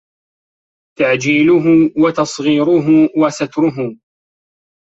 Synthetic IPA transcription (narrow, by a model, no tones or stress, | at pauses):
t̪aʕd͡ʒiːlʊɦʊwat̪ɑsˤɣiːɾʊɦʊwasat̪ɾʊɦʊ